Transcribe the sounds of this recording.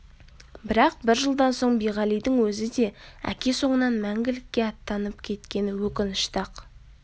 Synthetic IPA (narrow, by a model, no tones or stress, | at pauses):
bɪɾɑq̚bɪɾʒəlˠd̪ɑnso̞ɴbijʁɑlijd̪ɪŋwɵzɪd̪e̞æ̰kʲe̞so̞ɴənɑnmæŋɡʲɪlɪkʲːe̞ɑt̪ːɑnəpkʲʰe̞t̪kʲe̞nɪwɵkʲɪnɪʃt̪ɑq